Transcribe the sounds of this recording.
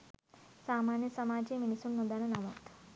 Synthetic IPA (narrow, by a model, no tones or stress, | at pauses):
saːmaːnjɐsɐmaːd͡ʒeminisuɳːund̪aːnɐnɐmo̰ːt̪